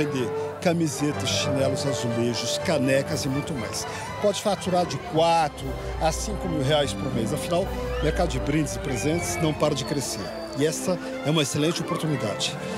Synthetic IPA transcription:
ẽd̪eɾkɐmizet̪ɐsʃinɛlʊzazuleʒʊskanɛkɐzɪmũj̃t̪ʊma̰js | pɔd͡ʒɪfat̪uɾaɾd͡ʒɪkwat̪ɾʊ | asĩŋkʊmiwɦeajspʊɾmejszɐfinawmeɾkad̪ʊd͡ʒɪbɾĩd͡ʒɪzɪpɾezẽnt͡ʃɪ̥znɐ̃w̃paɾɐd͡ʒɪkɾeseɾ | ɪɛsɐ | ɛũmɐeselẽnt͡ʃɪopoɾt̪unid̪ad͡ʒɪ̥

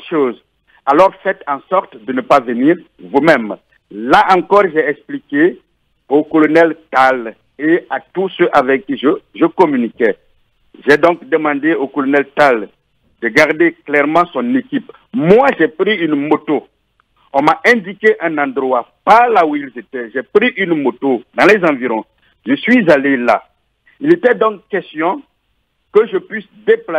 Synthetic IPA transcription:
ʃoːz | alɔʁfɛt̪ɑ̃sɔʁt̪d̪ənəpavəniːʁ | vumɛ̃m | laʔɑ̃ŋkɔʁʒɛɛksplike | okɔlɔnɛlt̪al | eat̪usøʔavɛkkːiʒəʒəkɔmynikɛ | ʒɛd̪ɔ̃kd̪əmɑ̃d̪eokɔlɔnɛlt̪al | d̪əɡaʁd̪eklɛʁmɑ̃sɔ̃nekip | mwaʒɛpɾiynmot̪o | ɔ̃maʔɛ̃d̪ikeʔɛ̃nɑ̃d̪ʁwapaʁlauilzet̪ɛʒɛpʁiʔynmot̪od̪ãlɛzãviʁɔ̃ | ʒəsɥizalela̰ | ilet̪ɛd̪ɔ̃kːɛst̪jɔ̃ | kəʒəpɥisd̪epla

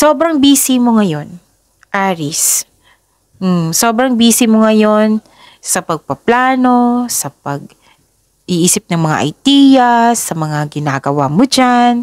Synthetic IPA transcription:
soːbɾɐŋbiːsɪmo̞ŋɐjo̞n | ʔaːɾɪs | m̩so̞ːbɾɐŋbiːsɪmoŋɐjo̞n | sɐpɐɡ̚pɐplaːno̞sɐpɐɡ̚ | ʔɪʔiːsɪp̚nɐŋmɐŋa̰ʔɐ̰jd̪iːjɐsɐmɐŋaɡɪnaːɡɐwamod͡ʒan

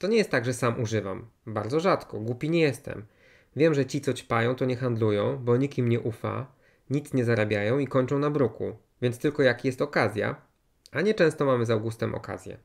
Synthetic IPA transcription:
t̪ɔɲɛjɛst̪ːaɡʐɛsamuʐɘvambaɾd̪zɔʐat̪kɔɡwupʲiɲɛjɛst̪ɛ̰m | vʲjɛmʐɛt͡ɕit̪sɔt͡ɕpajɔ̃w̃t̪ɔɲɛxand̪lujɔ̃w̃bɔɲikimɲɛʔufa̰ | ɲit̪sɲɛzaɾabʲjajɔ̃w̃ikɔɲt͡ʂɔ̃w̃nabɾukṵ | vʲjɛnst̪ɘlkɔjakjɛst̪ɔkazʲja̰ | aɲɛt͡ʂɛ̃w̃st̪ɔmamɘzawɡust̪ɛmʔɔ̰ka̰zʲjɛ̰

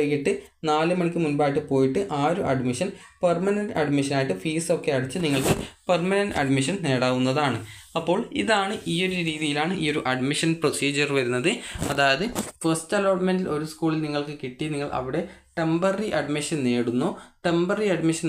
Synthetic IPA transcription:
jiʈːɨnaːlɨmɐɳikʲːɨmunbaːjiʈ̬ːɨpo̞ːjiʈːɨʔaːɾuʔɐɖmiʂɐnpɐrmɐnɐnɖɐɖmiʂɐnaːjiʈːɨfiːso̞kːe̞ɐɽit͡ɕːɨniŋːɐɭkɨpɐrmɐnɐnɖɐ̰ɖmiʂ̬ɐnne̞ːɽaːʋunːɐðaːɳɨ | ɐpːo̞ːɭiðaːɳɨʔiːo̞ɾuɾiːðijilaːɳɨʔiːo̞ɾuʔɐɖmiʂɐnprosiːd͡ʑɐrʋɐɾunːɐðɨɐðaːjɐðɨfɐstɐloːʈmendilʔo̞ɾuskuːɭilniŋːɐɭkɨkiʈːiniŋːɐɭʔɐ̰ʋiɽe̞ʈembɐriʔɐɖmiʂɐnne̞ːɽunːoʈembɐriɐɖmiʂɐn

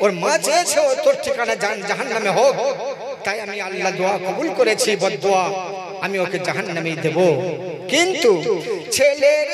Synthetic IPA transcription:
oɾmãd͡ʒet͡ʃʰet̪oɾʈʰikaned͡ʒand͡ʒɐɦənːɐmeɦok | t̪aiɐmianlad̪oakɔbulkɔɾet͡ʃʰibɔd̪̚d̪oa | ɐmiokʰed͡ʒɐɦənːɐmed̪ebo | kint̪ut͡ʃʰele

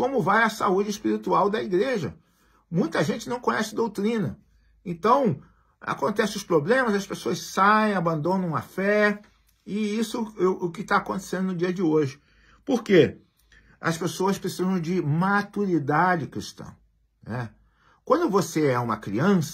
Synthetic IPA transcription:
kõmʊvajɐsa̰ud͡ʒɪispiɾit̪uawd̪ɐiɡɾeʒɐ̰ | mũj̃t̪ɐʒẽnt͡ʃɪnɐ̃w̃kõɲɛsɪd̪owt̪ɾĩnɐ | ẽnt̪ɐ̃w̃ | a̰kõnt̪ɛsɪʊspɾoblẽmɐzɐspesoɐssaẽj̃abɐ̃nd̪õnɐ̃w̃ɐ̰fɛ | ɪisʊʊkɪt̪aːkõnt̪e̥sẽnd̪ʊnʊd͡ʒiɐd͡ʒɪoʒɪ | poɾke | ɐ̰spesoɐspɾesizɐ̃w̃d͡ʒɪmat̪uɾid̪ad͡ʒɪkɾist̪ɐ̰̃ | nɛ | kwɐ̃nd̪ʊvoseɛũmɐ̰kɾḭɐ̃s

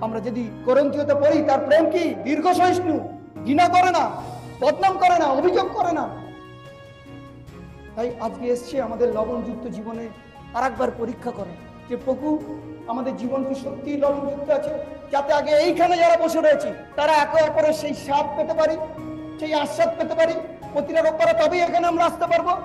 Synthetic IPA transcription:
amɾad͡ʑod̪iɡɔɾont̪iot̪apoɾit̪aɾpɾemkid̪iɾɡʱoʃojʃnu | ɡinakɔɾenabɔd̪namkɔɾenaobʱid͡ʑoɡ̚kɔɾena | t̪ajad͡ʑkeeʃt͡ɕʰeamad̪eɾlɔbond͡ʒut̪ːod͡ʑibone | aɾɛk̚baɾpoɾikʰːakɔɾe | d͡ʑepɾokuamad̪eɾd͡ʑibonkiʃokt̪ilɔbond͡ʒut̪ːoat͡ɕʰed͡ʑat̪eaɡeejkʰaned͡ʑaɾaboʃeɾoet͡ɕʰe | t̪aɾaɛkoɛpoɾeʃejʃat̪̚pet̪epaɾi | ʃejãʃːat̪̚pet̪epaɾi | pɾot̪iɾaɾopːaɾat̪ɔbejekʰaneamɾaast̪epaɾbo

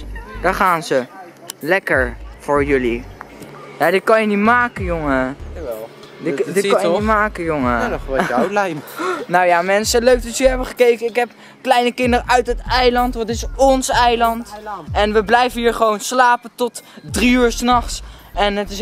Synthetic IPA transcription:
daχaːnzə | lɛkəɹfʊːɹjɵli | jadɪt̚kɑnjənitmaːkəjoŋə | ɪdɪkɑjəitmaːkəjoŋəawlɛjmnawjamɛnsəløɥk̚dɔtəəɦɛbəχəkejkəɪkɦɛp | klɛjnəkɪndəɾəʔœɥtɦətɛjlɑntʋɑtɪsɔnsɛjlɑntʔɛnʋəblɛjvənɦiːɹχəʋownslaːpətɔtdriyːɹsnɑχsɛnətɪs

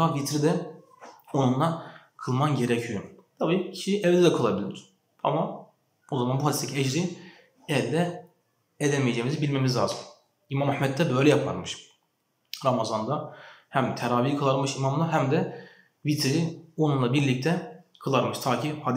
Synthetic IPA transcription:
avit̪ɾid̪ɛ | onunlˠa | kʰɯlˠmanɟe̞ɾɛcʰijot̪ʰabiːcʰiʃijʔɛvd̪ɛd̪ɛkʰɯlˠabilʲɾiɾ̥ | a̰ma | o̞zamanbuɦad̪ʲist̪ʰːecʰiɛd͡ʒɾi | ɛvd̪ɛ | ed̪ɛmejed͡ʒemizibilʲmemizlaːzɯn | imamahmɛt̪ːɛbø̞jlʲɛjapʰa̰ɾmɯʃ | ɾamazand̪ahæmt̪ʰɛɾaːvijikʰɯlˠaɾmɯʃimamlˠaɦæmd̪ɛ | vit̪ɾio̞nunlˠabiɾlʲic̚t̪ʰɛkʰɯlˠaɾmɯʃt̪ʰaːcʰihad̪

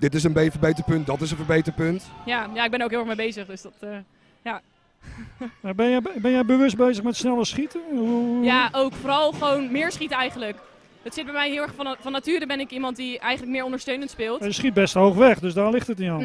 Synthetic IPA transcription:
d̥ɪtɪs̬ənbejfəɹbejtəpɵnt̚dɔtɪsənfəɹbejtərpøntjajaːɪɡ̚bɛnowkɦɪːlˠχmejbejzəχdøsdɔtə | ja | mabɛnjɛbɛnjɛjbəʋʏsd̚bejzəχmɛtsnɛlˠəsχitəujaʔowkfoːɾɑlˠχəʋownmɪːɹsχitəɛjχənlək | dɔtsɪt̚bɛjmɛjɦɪlˠɛχfɔnfɔnːatyːɾəbɛnɪkimɑnt̚diɛjxənlək̚mɪːɹɔndəɹstøɥnəntspɪːlˠtjəsχit̚bɛstɦowχʋɛχdøsdaːlɪχtətiɔn

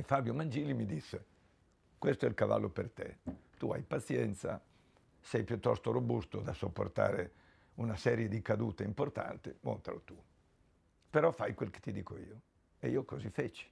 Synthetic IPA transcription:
efabjomand͡ʒiːlimid̪isːe | kwest̪oɛ̰lkava̰lːopert̪ḛt̪ua̰jpat̪sjɛnt̪sa̰ | sɛjpjut̪ːɔst̪oɾobust̪od̪asopːo̰rt̪a̰ːɾḛ | unasɛːɾjed̪ikad̪uːt̪eimport̪a̰nt̪imo̰nt̪a̰lot̪u | peɾɔfːajkwelk̟e̥t̪ːid̪iːkoiːo | eiːokozifet͡ʃi̥

